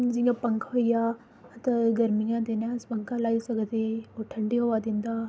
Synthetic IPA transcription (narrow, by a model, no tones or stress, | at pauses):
d͡ʒĩŋɡapəŋkʰʋɐijaː | t̪ɐɡɐɾmiŋɡãt̪enaspɐ̃ŋkʰãlaːisɐɡət̪eoʈʰɐɳɖiɦoʋad̪ĩnd̪a